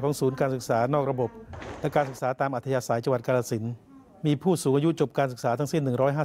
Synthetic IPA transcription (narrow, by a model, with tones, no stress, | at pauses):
kʰɔː˩˦ŋsuː˩˦nkaː˧nsɯ˨˩k̚saː˩˦nɔː˥˩k̚ɾa˧bo˨˩p̚lɛ˦˥kaː˧nsɯ˨˩k̚saː˩˦t̪aː˧mʔa˨˩t̪ʰːa˧jaː˧saː˩˦jt͡ɕa˧ŋwa˨˩t̪̚kaː˧laː˧˩si˩˦n | miː˧pʰuː˥˩suː˩˦ŋʔːju˦˥t͡ɕo˨˩p̚kaː˧nsɯ˨˩k̚saː˩˦a˦˥ŋsi˥˩nːɯ˨˩ŋɾɔː˦˥jɦaː˥˩